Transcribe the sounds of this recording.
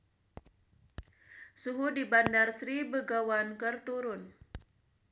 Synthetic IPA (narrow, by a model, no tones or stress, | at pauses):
suɦudibandarsɾibəɡawankərt̪uɾʊn